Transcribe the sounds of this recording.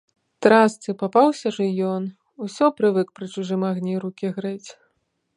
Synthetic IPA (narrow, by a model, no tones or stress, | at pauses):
t̪ɾast̪sɨpapawsʲɐʐɨjɔn | usʲɔpɾɨvɨkpɾɨt͡ʂuʐɨmaɣnʲiɾukʲiɣɾɛt͡sʲ